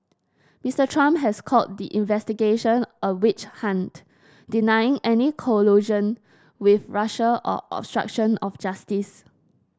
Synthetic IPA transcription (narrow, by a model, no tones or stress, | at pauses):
mistətʰɹãmpɦɛskʰɔt̚diʔĩnvɛstiɡeʃə̃nʔəwɪt͡ʃhãnt | d̥inaɪɪ̃ŋɛnikʰoluʒə̃n | wiθɹaʃəʔɔ̰ʔɔ̰b̥stɹa̰k̚ʃə̃nɔfd͡ʒastis